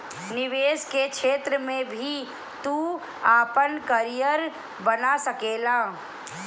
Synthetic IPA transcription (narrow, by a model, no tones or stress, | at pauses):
nɪʋeːskekʃeːt̪ɾəmẽbʱi | t̪uː | aːpənkəɾijəɾ | bənasɐkeːlaː